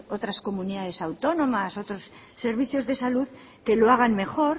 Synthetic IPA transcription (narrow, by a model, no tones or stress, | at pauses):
o̞t̪ɾasko̞muniðaðe̞sawt̪o̞nõ̞maso̞t̪ɾosː | e̞ɾβ̞iθjo̞zðe̞saluð | ke̞lo̞aɣ̞anme̞xo̞ɾ